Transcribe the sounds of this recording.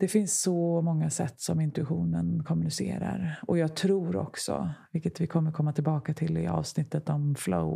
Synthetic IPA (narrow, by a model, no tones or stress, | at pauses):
d̪̥ɛfɪnsːɔmɔŋːasɛt̪ːsɔmɪnt̪ɵɪɧuːnənkʰɔmɵnɪsḛːɾa̰ɾɔjɑːɡt̪ʰɾuːɾɔ̰ksɔ̰vɪlkət̪vɪkʰɔmːəɾkʰɔmːat̪ʰɪlbɑːkat̪ʰɪlɪɑ̰ːvsnɪt̪ːət̪ɔmflo̰ʊ